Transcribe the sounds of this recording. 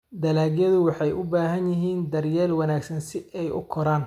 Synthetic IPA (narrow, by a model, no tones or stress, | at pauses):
d̪ɐlaːɡjɐðʊwɑħɑjʔʊbaːɦɐnjɪɦiːnd̪ɐrjɛːlwɑnaːɡsɐnsɪʔɛjʊ̰kʰɔɾaːn